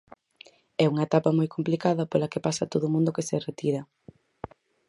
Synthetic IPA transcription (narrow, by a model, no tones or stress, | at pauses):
ɛuŋɐet̪apɐmojkʰomplikaðɐpolɐkepasɐt̪oðʊmũnd̪ʊkeseret̪iɾɐ